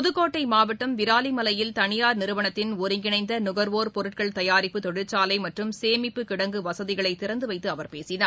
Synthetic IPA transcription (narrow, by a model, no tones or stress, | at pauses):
ɔðɯkːoːʈːɐɪmaːʋɐʈːɐmʋɪɾaːlimɐlɐjɪlt̪ɐɳɪjaːɾnɪɾɯʋɐɳɐt̪ːɪnɔɾɪŋɡɪnɐɪnd̪ɐnʊɣɐɾʋoːɾpɔɾɯʈ̚kɐɭt̪ɐjaːɾɪpːɯt̪ɔɽɯt͡ʃːaːlɐɪmɐʈrɯmseːmɪpːɯkɪɽɐŋɡɯʋɐsɐðɪɣɐɭɐɪt̪ːɪɾɐnd̪ɯʋɐɪt̪ːɯɐʋɐɾpeːsɪnaːɾ